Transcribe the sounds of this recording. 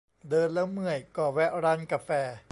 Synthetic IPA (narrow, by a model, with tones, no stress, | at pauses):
dɤː˧nla˦˥ŋmɯ˨˩əjkɔː˨˩wɛ˦˥ʔɾa˧nka˧fɛː˧